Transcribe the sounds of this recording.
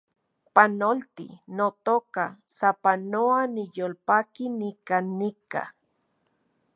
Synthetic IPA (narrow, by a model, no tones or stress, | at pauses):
panolt̪ḭnot̪oka | sapanoanijolpakinikanːika̰